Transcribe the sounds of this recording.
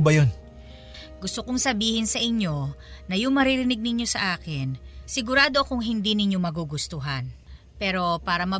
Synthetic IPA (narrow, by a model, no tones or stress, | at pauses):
bɐjon | ɡʊst̪okoŋsɐbiːhɪnsɐʔɪɲjo̞ | nɐjʊŋmɐɾɪɾɪnɪɡ̚nɪɲjo̞sɐʔaːkɪnsɪɡʊɾaːd̪o̞kʊŋɦɪnd̪inɪɲo̞mɐɡuɡʊst̪uɦɐn | pɛːɾo̞paːɾɐmɐ